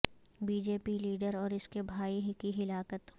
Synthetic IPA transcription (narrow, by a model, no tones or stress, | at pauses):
biːd͡ʒeːpiliːɖəɾɔːɾɪskebʱaːiɦkiɦɪlaːkət̪